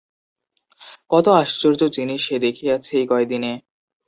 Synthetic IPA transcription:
kɔt̪oaʃt͡ɕoɾd͡ʑod͡ʑiniʃed̪ekʰijat͡ɕʰejkɔed̪ine

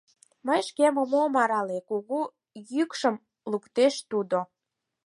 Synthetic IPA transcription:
məjʃkeməmomɑɾɑlekuɣu | jykʃəm | lukt̪eʃt̪ud̪o

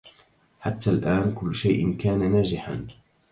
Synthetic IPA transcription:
ħat̪ːaːlʔaːnkʊlːʃajʔɪnkaːnanaːd͡ʒɪħa̰n

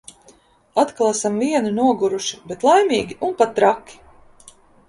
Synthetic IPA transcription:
at̪kalˠasamviɛnunuɔɡuɾuʃi̥bet̪lˠajmʲiːɡʲiʔunpat̪ːɾakʲːi̥

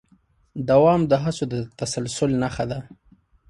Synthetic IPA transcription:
d̪awɑmd̪əɦat͡sod̪ət̪asalsʊlnaxad̪a

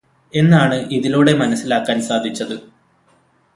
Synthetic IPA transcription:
e̞nːaːɳɨʔiðiloːɽe̞mɐnɐsːilaːkːaːnsaːd̪ʱit͡ɕːɐðɨ

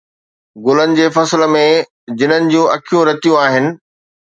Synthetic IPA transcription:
ɡʊlənɪ̆d͡ʑeːfɐsɪl̆mẽ | d͡ʑɪnənɪ̆d͡ʑũʔɐkʰijũɾɐt̪ijũaːɦɪnɪ̆

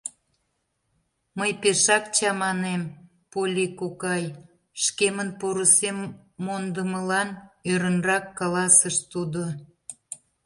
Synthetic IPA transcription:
məjpeʃɑk̚t͡ɕɑmɑnem | polʲikokɑj | ʃkemənpoɾəsemː | ond̪əməlɑnøɾənrɑkːɑlɑsəʃt̪ud̪o

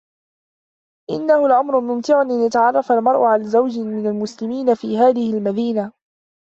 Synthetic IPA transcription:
ʔɪ̰nːahʊlʔamɾʊmʊmt̪ɪʕʊnʔɪnjat̪aʕɑrˤːɑfalmɑɾˤʔʊʕalazawd͡ʒɪmɪnalmʊslɪmiːnafiːɦaːðɪhɪlmad̪iːna

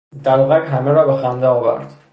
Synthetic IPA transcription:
d̪æɾvɒːɣækɦæmeɾɒːbexænd̪eɒːvæ̰ɾd̪̥

